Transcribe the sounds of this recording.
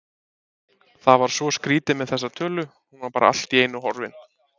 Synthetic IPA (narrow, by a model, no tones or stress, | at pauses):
θavaɾ̥svɔskɾiːt̪ɪmɛðθɛsːat̪ʰœːlʏ | hunvaɾpaːɾa̰a̰l̥t̪ieːjnʏɦɔɾvɪ̰n